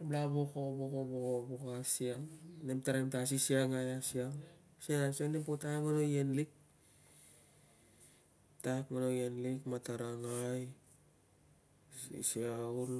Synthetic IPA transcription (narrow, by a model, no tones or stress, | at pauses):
blabokobokobokobokoasiaŋnemtaɾamtas̬isiaŋajasiaŋ | siaŋasiaŋnempotaekmanojenlik̚ | takmanojenlikmataɾaŋaj | sḭsiauɾ